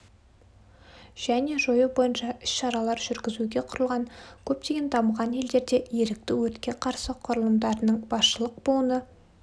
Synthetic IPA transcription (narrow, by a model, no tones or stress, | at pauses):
ʒ̥æne̞ʒo̞jəbo̞jənʃɑʏ̥sʃɑɾɑlˠɑɾʒʏɾɡʲɪzuɡʲe̞qʰʊɾəlˠʁɑŋkʲʰɵp̚t̪e̞ɡʲe̞nt̪ʰɑməʁɑne̞ld̪e̞ɾd̪e̞je̞ɾɪk̚t̪ɪwɵt̪kʲe̞qʰɑɾsəqʰʊɾəlˠəmd̪ɑɾənəɴbɑsʃəlˠəq̚buənə